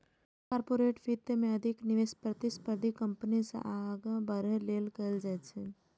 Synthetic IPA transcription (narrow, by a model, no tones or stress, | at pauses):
kaːɾpoːɾeːʈfit̪ːəmẽɐd̪ʱɪknɪʋeːspɾət̪ɪspəɾd̪ʱikəmpənisḛʔaɡãbəɾeleːlkəld͡ʒat͡ʃʰɛ